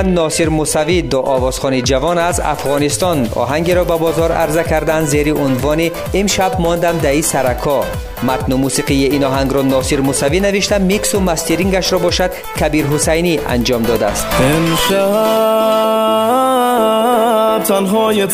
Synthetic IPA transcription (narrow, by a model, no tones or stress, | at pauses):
nɔsiɾmusavid̪ɔʔɔvɔz̥χɔnid͡ʒavɔnaza̰fʁɔnist̪ɔnɔ̰ɦaŋɡeɾɔbabɔzɔɾa̰ɾzakʰaɾd̪and̪zeɾiʔunvɔniː | mʃabmɔnd̪amd̪aisaɾakʰɔ | mat̪numusiqijiinɔɦaŋɡɾɔnɔsiɾmusavinaviʃt̪amiksumast̪iɾiŋɡaʃɾɔbɔʃad̪ | kʰabiɾɦusajnia̰nd͡ʒɔmd̪ɔd̪a̰ːst̪inʃa | b̚t̪ʰanɦɔje